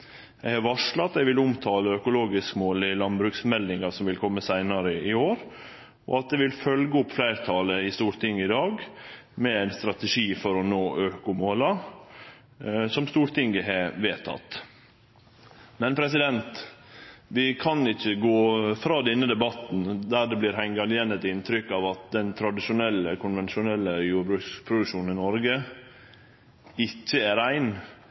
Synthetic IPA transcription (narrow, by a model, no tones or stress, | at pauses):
jæɪhɑɾʋɑʂlɑt̪ːæʋɪlʊmt̪ʰɑːləœkʊloːɡɪskmoːlɪlɑnbɾʉksmɛld̪ɪŋɑsɔmʋɪlkʰɔmːəsæɪnɑɾəɪoːɾ | ɔ̰ɑt̪̚d̪ɛʋɪlfœlɡəʊpːflæɪɾt̪ʰɑːləɪst̪uːɾt̪ʰɪŋːəɪd̪ɑːɡmɛæɪnst̪ɾɑt̪ɛʂiːfɔɾɔnoːʔøːkʊmoːlɑ | sɔmst̪uːɾʈ̪ʰɪŋɡəɦɛʋeːt̪ʰɑ̰t̪ː | mɛnpʰɾɛsɪd̪ɛnt̪ | ʋɪkʰɑnɪçːəɡoːfɾɑːd̪ɛnːəd̪ɛbɑt̪nd̪æːɖɛblɪːɾɦæɪŋɡɑlɪjɛnɛt̪ɪnt̪ʰɾʏkːɑːʋɑt̪̚d̪ɛnt̪ʰɾɑd̪ɪʃʊnɛlːəkʰʊnʋɛnʃʊnɛlːəjuːɾbɾʉːkspʰɾʊd̪ʉkʂuːnnɪnɔɾɡə | ɪçːəæɾæɪn